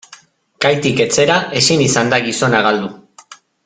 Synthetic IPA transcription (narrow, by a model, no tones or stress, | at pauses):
kajt̪ike̞t͡se̞ɾaʔe̞sinisand̪aɣiso̞naɣ̞ald̪u